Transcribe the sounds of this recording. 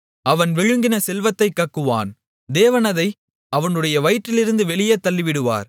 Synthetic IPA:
ɐʋɐnʋɛɻɯŋɡɪnɐsɛlʋɐt̪ːɐɪkːɐkːɯʋa̰ːn | d̪eːʋɐnɐðɐɪ | ɐʋɐnɯɽɐjɐʋɐɪʈːɪlɪɾɯnd̪ɯʋɛɭɪjɐt̪ːɐlːɪʋɪɽɯʋa̰ːɾ

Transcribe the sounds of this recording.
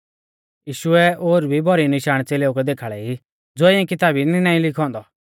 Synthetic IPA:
jiːʃʊɛoːɾbʱibʱɔɾinɪʃaːɽ̃t͡seːleːukɛd̪eːkʰaɭɛi | d͡zoːɛɛ̃kɪt̪aːbininaːĩlɪkʰɔ̃ːnd̪ɔ

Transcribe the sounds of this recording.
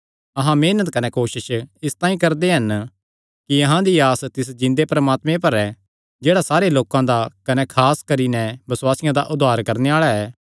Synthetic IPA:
ɐɦãmeːnət̪kɐnɛkoːʃɪʃɪst̪aːĩkɐɾd̪eɦɐn | kiɐɦãd̪iaːst̪ɪs̬d͡ʒɪ̃nd̪epɾɐmaːt̪mẽpɐɾɛ | d͡ʒeːɽasaːɾeloːkãd̪akɐnɛkʰaːskɐɾinɛbɐswaːsɪjãd̪aʔʊd̪ʱaːɾkɐɾneaːɭaɛː

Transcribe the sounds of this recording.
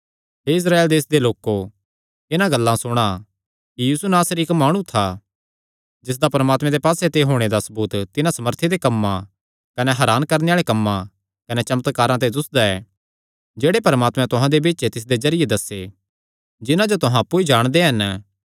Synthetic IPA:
ɦeɪs̬ɾaːeːld̪eːsd̪eloːkːo | ɪnãɡɐlːãsʊɽ̃a | kijiːsunaːsɾiɪkmaːɽ̃ũt̪ʰa | d͡ʒɪs̬d̪apɐɾmaːt̪mɛ̃d̪epaːset̪eɦoːɽ̃ed̪asɐbuːt̪t̪ɪnãsɐməɾt̪ʰed̪ekɐmːã | kɐneɦɐɾaːnkɐɾneaːɭekɐmːã | kɐnet͡ʃɐmət̪kaːɾãt̪̬ed̪ʊsd̪aɛː | d͡ʒeːɽepɐɾəmaːt̪mɛ̃t̪ʊɦãd̪ebeːt͡ʃet̪ɪs̬d̪ezɐɾɪjed̪ɐsːe | d͡ʒɪnãd͡ʒot̪ʊɦãɐpːuid͡ʒaːɽ̃d̪eɦɐn

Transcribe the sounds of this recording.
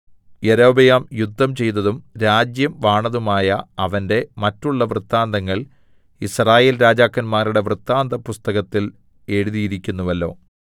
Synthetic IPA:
jeɾoːbɐjaːmjud̪ʱːɐmt͡ɕe̞jnɐðumɾaːd͡ʑjɐmʋaːɳɐðumaːjɐɐʋɐnde̞mɐtːuɭːɐʋrɨt̪ːaːnd̪ʱɐŋːɐɭ | israːjeːlɾaːd͡ʑaːkːɐnmaːruɽe̞ʋrɨt̪ːaːnd̪ʱɐpust̪ɐɣɐt̪ːil | e̞ɻuðijiɾikʲːunːuʋɐlːo̞ː

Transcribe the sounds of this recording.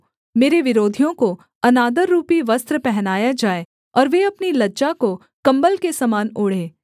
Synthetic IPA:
meːɾeʋɪɾoːd̪ʱijõko | ɐnaːd̪əɾːuːpiʋɐst̪ɾəpɛɦnaːjad͡ʒaːe | ɔːɾʋeɐpnilɐdd͡ʒako | kɐ̃mbəlkesɐmaːnoːɽ̤ẽː

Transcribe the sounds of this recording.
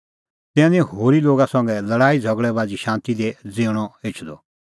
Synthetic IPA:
t̪ɛ̃nĩhoːɾiloːɡasɐ̃ŋɡɛlɐɽaːid͡zʱɐɡɭɛbaːd͡ziʃãːnt̪id̪ed͡zeːɽ̃ɔeːt͡ʃʰd̪ɔ̰

